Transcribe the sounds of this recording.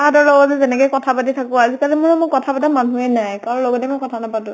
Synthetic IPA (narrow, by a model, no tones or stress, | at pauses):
adɔɹlɔɡɔzɛzɛnɛkɔjkɔtʰapatitʰakɔazikalɛmʊnɔmʊkɔtʰapatamanuɛnajkaɹɔ̃lɔɡɔtɛmɔkɔtʰanapatʊ̃